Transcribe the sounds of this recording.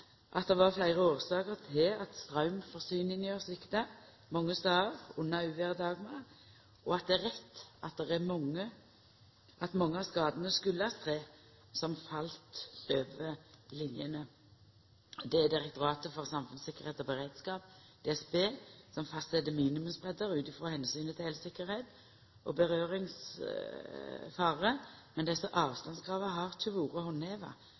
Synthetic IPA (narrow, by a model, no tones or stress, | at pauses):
ʔɑt̪̚d̪ɛʋɑʁflæɪʁəoːʁsɑːkəʁt̪ʰɪɑt̪st̪ʁɑʉmfɔʁsyːnɪnjøːʁsʋɪkt̪ə | mɔŋːəst̪ɑːʁʊnːɑʉːʋeʁəd̪ɑːɡmɑː | ʔɔɑt̪̚d̪ɛæʁɛt̪ːɑt̪̚d̪ɛʁæmɔŋːə | ʔɑt̪mɑŋːəɑskɑːd̪ənəskʉlːəɑst̪ʰʁeː | sɔmfɑlt̪løːʋəlɪnjənə | d̪ɛæd̪ɪʁɛk̚t̪ʊɑːt̪əfɔʁsɑmfʉnsɪkːəʁheːt̪ɔbəʁeːd̪skɑːp̚d̪̥ɛɛsbeːsɔmfɑst̪sɛd̪əmiːnɪmʉmsbʁɛd̪əʁʉːt̪ɪfʁoːhɛnsyːnət̪ʰɪɛlsɪkːəɾheːt̪ | ʔɔ̰bəʁøːʁɪŋs | fɑːʁəmɛnd̪ɛsːəʔɑːʋst̪ɑnskʁɑːʋəɦɑʁt̪ʰʉʋuːʁəhɔneːʋɑ̰